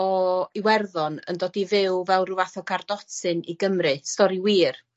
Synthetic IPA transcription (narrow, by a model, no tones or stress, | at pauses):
ɔiwɛrðɔnə̰ndoːdivɪwvɛlˠruvaθɔkʰardɔtʰɨniɡəmrɨstɔɾiwiːr